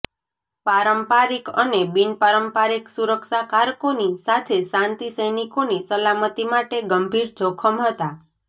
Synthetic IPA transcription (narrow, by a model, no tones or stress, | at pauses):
paɾəmpaɾikənebinpaɾəmpaɾiksuɾəkʃakaɾkonisat̪ʰesãnt̪isəjnikonisəlamət̪imaʈeɡəmbʱiɾd͡ʒokʰəmɦət̪a